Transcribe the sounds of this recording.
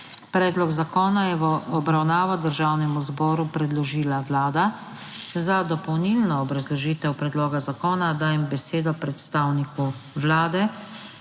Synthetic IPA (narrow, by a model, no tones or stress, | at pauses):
pɾɛːd̪lɔɡzakɔːnajɛʋɔbɾawnaːʋad̪əɾʒaːwnɛmuzbɔːɾupɾɛd̪lɔʒiːlaʋlaːd̪a | zad̪ɔpɔwnilnɔːbɾazlɔʒiːt̪ɛwpɾɛd̪loːɡazakɔːnad̪aːjɛmbɛseːd̪ɔpɾɛt̪st̪aːwniku | wlaːd̪ɛ